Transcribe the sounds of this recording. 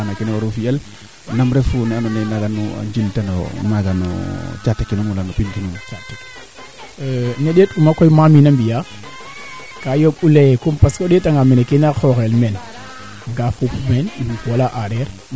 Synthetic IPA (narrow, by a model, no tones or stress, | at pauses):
anakinɛwaɾufial | namɾɛfunanɔnenaɡanua̰ɲd͡ʒiltanɔ̰maɡanɔ̰t͡ʃatːakːinumulanupinkinumt͡ʃatekː | nɔɗetumakɔjmaminambija | kajobulejkumpaskɔɗetaŋɡamɛnekinaxɔxelmɛn | ɡafupmɛniukwalaʔaɾɛɾ